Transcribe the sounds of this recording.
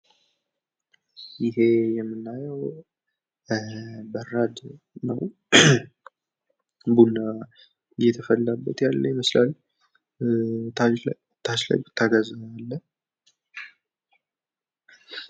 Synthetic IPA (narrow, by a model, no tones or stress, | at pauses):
jɪɦe̞jɛmːɨnːajəw | bərad̪ | nə̰w | bunːa | jːɛt̪ʰəfəlːabːət̪jalːəjməslal | a | t̪ʰaʃla̰jbɨt̪ʰːaɡazəalːə